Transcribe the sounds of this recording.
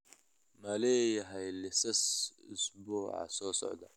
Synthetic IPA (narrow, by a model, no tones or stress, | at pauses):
mɐlɛːjɐɦɛjlɪsɐsɪsbuːʕɑ̰sɔːsɔ̰ʕd̪ɐ